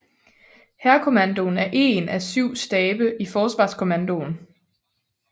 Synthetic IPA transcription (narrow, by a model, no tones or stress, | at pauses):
hæɐkʰo̝mændo̝næɐʔe̝̰ːnʔæsyʊ̰sd̥ɛːb̥əʔifɒːsʋɑ̰̈ːskʰo̝mænd̥o̝n